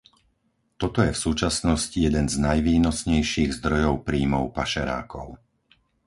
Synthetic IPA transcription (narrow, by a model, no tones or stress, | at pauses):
t̪ɔt̪ɔjɛfsuːt͡ʃasnɔscijɛd̪ɛnznajʋiːnɔsɲɛjʃiːɣzd̪ɾɔjɔʊpɾiːmɔʊpaʃɛɾa̰ːkɔʊ